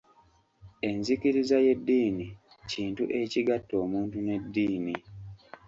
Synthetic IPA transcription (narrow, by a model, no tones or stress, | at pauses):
e̞nzikiɾizaje̞dːiːni | ciːntuʔe̞ciɡatːo̞ːmuːntune̞dːiːni